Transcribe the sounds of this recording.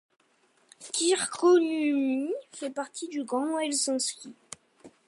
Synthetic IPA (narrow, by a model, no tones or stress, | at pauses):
kʲiʁkonymifɛpaʁt̪ʰid̪yɡʁɑ̃mwɛlsɑ̃skʲi